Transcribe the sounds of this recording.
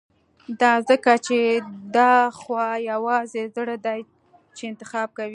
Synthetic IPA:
d̪ɑzəkat͡ʃed̪ɑxwɑjawɑzezəɽad̪aj | t͡ʃeɪnt̪ɪxɑb̚kawi

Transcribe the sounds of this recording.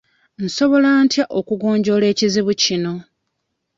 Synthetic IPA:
n̩so̞βo̞laːntjaʔokuɡo̞ːɲɟo̞le̞ːciziβucino̞

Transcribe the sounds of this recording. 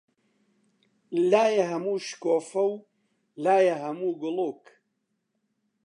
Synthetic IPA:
laːjɐɦɐmuːʃkoːfɐw | laːjɐɦɐmuːɡʊluːk

